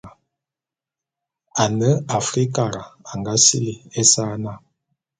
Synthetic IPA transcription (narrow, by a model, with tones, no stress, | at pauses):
a˨nə˦a˨fɾi˦ka˨ɾa˨a˨ŋɡa˦sḭ˦li˨e˦saː˦na˦˨